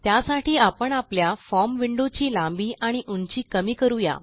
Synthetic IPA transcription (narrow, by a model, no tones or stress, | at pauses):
t̪jasaʈʰiːapəɳapljafɔmʋiɳɖot͡ɕiːlãmbiːʔaɽ̃iʔuɲt͡ɕiːkəmiːkəɾuja̰